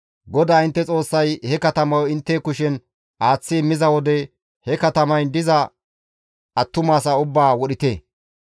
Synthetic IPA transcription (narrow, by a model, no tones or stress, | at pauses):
ɡɔd̪aːɪnt̪ːɛt͡sʼo̞ːsːɐjhɛkɐt̪ɐmɐwɔɪnt̪ːɛːkʊʃɛn | ʔaːt͡sːiːmɪzɐwɔd̪ɛ | hɛkɐt̪ɐmɐjnd̪ɪzɐ | ʔɐt̪ːʊmaːsɐʊbːaːwɔɗɪt̪e